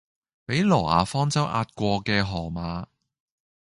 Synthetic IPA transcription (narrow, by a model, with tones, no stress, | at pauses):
pe˨˥jlɔː˨˩ʔa̰ː˨˧fɔː˥ŋt͡sɐ˥wʔa̰ː˧t̚kʷɔː˧kɛː˧ɦɔː˨˩maː˨˧